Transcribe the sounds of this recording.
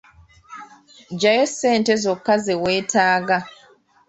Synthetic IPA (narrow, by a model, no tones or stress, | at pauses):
ɟajese̞ːntezokːazewe̞ːtaːɡa